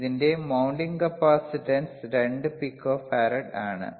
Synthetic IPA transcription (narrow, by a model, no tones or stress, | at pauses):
ðinde̞mɐwɳɖiŋɡɐpːaːsiʈɐnsɾeɳɖɨpikːoːfaːɾɐɽa̰ːɳɨ̰